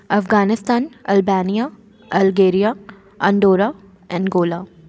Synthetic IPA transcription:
ɐfɡaːnɪst̪aːnɐlbaːnija | ɐlɡeːɾija | ɐ̃ɳɖoːɾaː | ɛ̃nɡoːlaː

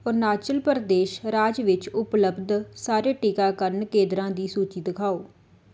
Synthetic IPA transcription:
oɾnaːt͡ʃəlpəɾd̪eːʃɾaːd͡ʒʋɪt͡ʃʊpləbd̪saːɾeːʈiːkaːkəɾənkẽːd̪ɾãːd̪iːsuːt͡ʃiːd̪ɪkʰaːoː

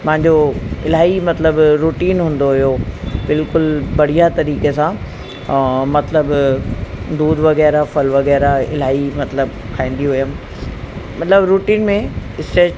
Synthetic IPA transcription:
pɐ̃ɦɪ̃ɲd͡ʑoɪl̤aːimɐt̪ləbɾuːʈiːnɦũːn̆d̪oɦʊjobɪlkʊlbɐɽ̤ijat̪ɐɾiːkesã | mɐt̪ləb | d̪uːd̪ʋɐɣɛːɾafɐlʋɐɣɛːɾaɪ̰l̤aːimɐt̪ləb | kʰaːĩːn̆d̪iɦʊjəm̆ | mɐt̪ləbɾuːʈiːnmẽɪsʈeː

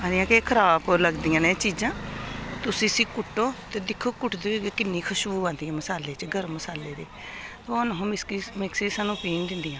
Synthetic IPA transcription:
ãːdɪjãːkeːkʰəɾaːboləɡd̪ijãːneːt͡ʃiːd͡ʒãːt̪ʊsĩːsĩːkʊʈːoːt̪eːd̪ɪkʰːoːkʊʈd̪oːeːɡeːkɪnːiːkʰəʃbuːãːnd̪ɪjãːməsaːleːt͡ʃəɡəɾməsaːleːd̪eː | t̪oaːnəɦõːmɪskimɪksiːsaːnũːpiːnd̪ɪnd̪ijãː

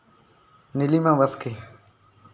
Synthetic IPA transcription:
nɪlimãwɐske

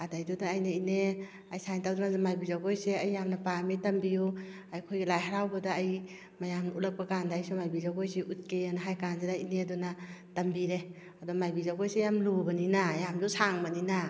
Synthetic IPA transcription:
adajdudaːjnaine | ajsajntawdɔnazamajbizaɡojseajːamnapamitɐmbiju | ajkʰojɡelajɦaɾawbadaːj | majamnaulak̚pakandaːjsʰɔmajbizawɡojseʔut̚kejanaɦajkanzedainedɔnatɐmbiɾe | adɔmajbizaɡojsejamlubɐninajamzusaŋbanina

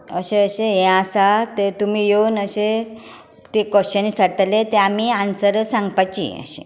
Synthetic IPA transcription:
əɕẽəɕeɦẽasat̪eɾt̪umijonəɕe | t̪ekəɕt͡ɕənisaɽt̪alet̪eamiansəɾəsãŋɡpat͡ɕḭə̰ɕḭ̃

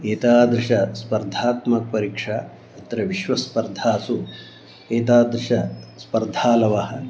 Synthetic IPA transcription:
eːt̪aːd̪ɾɨʃɐspɐɾd̪ʱaːt̪mɐk̚pɐɾiːkʂa | ɐt̪ɾɐʋiʃʋɐspɐɾd̪ʱaːsu | eːt̪aːd̪ɾɨʃɐspɐɾd̪ʱaːlɐʋɐɦɐ̆

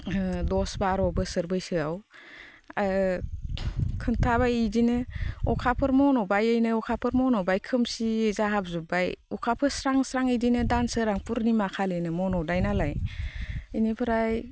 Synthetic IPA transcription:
dɔsbaɾɔbɯsɯɾbɯjsɯaw | a | kʰɯntʰaβajidinɯɔkʰapʰɯɾmɔnɔbajɯjnɯɔkʰapʰɯɾmɔnɔbajkʰɯmsiezaɦab̚zubajɔkʰapʰɯsɾaŋsɾaŋɯjdinɯdansɯɾaŋpuɾnimakʰalɯjnɯmɔnɔdajnalaj | inepʰɯɾaj

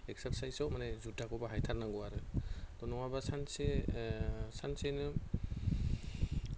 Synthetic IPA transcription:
ekseɾsajsɔwmanezudaɡɔbaɦajtʰaɾnaŋɡɔaɾɯt̪ɔnɔwabasanse | sansenɯ

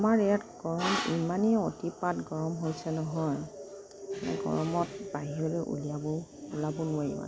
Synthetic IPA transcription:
amaɹɛjatɡ̥ɔɹɔmimaniotipatɡɔɹɔmɦojsɛnɔɦɔj | ma̰ɡɔ̰ɹɔmɔt̚baɦiɹɔlɛʔṵlijabɔulabɔnʊwajiwa̰

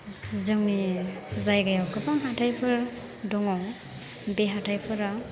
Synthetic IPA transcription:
zɯŋnizajɡajawkɯpaŋɦatʰajpʰɯɾ | dɔŋɔw | beɦatʰajpʰɯɾa

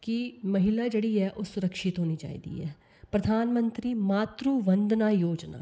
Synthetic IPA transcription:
kɪməɦɪlaːd͡ʒeːɽiːɛːʔoːsʊɾəkʃɪt̪ɦoːniːd͡ʒa̰ːḭːd̪ḭːɛː | pɾəd̪ʱaːnmənt̪ɾiːmaːt̪ɾuːʋənd̪naːjoːd͡ʒna̰ː

